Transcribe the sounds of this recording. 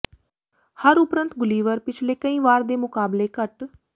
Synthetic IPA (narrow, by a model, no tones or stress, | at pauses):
həɾʊpɾə̃nt̪ɡʊliːʋəɾpɪt͡ʃʰleːkəĩːʋaːɾd̪eːmʊkaːbleːkəʈ